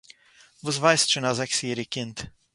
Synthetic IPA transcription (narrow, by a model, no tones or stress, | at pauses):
vuzvajst͡ʃunazɛksiːɾikɪnt̪